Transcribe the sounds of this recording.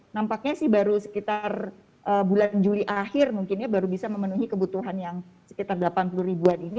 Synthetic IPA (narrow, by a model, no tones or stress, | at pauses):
nampak̚ɲasɪhbaɾusə̥kit̪ar | ʔəːbuland͡ʒuliʔahɪrmuŋkɪnɲabaɾubisaməmənuɦikəbut̪uɦanjaŋsə̥kit̪arɡəlapanpuluɾibuanini